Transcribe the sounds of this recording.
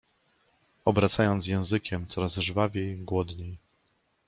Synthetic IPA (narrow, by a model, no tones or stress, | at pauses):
ɔbɾat̪sajɔnt̪s̬jɛ̃w̃zɘkʲɛmt̪sɔɾazʐvavʲejɡwɔd̪ɲej